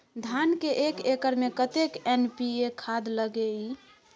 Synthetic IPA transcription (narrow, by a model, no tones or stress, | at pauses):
d̪ʱankeʔekekəɾmekət̪ekenpiekʰad̪ləɡei